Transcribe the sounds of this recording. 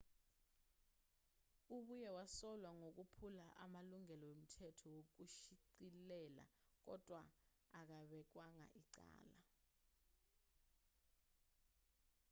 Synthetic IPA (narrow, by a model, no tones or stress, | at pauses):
uɓujɛwasɔlwaŋok̬upʰulaʔamaluŋɛlɔwem̩tʰɛtʰɔwok̬uʃiǀilɛla̰k̬ɔ̰d̥ʱwaː | k̬aɓɛk̬waŋa̰ʔiǀa̰ːla